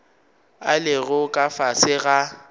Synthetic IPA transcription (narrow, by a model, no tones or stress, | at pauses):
alɪɣʊkʼafasɪɣa